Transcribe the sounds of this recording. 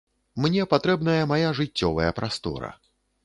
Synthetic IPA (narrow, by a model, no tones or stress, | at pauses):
mnʲɛpat̪ɾɛbnɐjɐmajaʐɨtt͡sʲːɔvɐjɐpɾast̪ɔ̰ɾɐ̰